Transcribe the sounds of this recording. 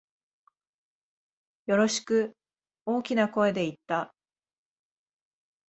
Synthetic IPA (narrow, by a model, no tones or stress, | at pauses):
jo̞ɾo̞ɕi̥kɯ̟ | o̞ːkʲinako̞e̞d̪e̞it̪ːa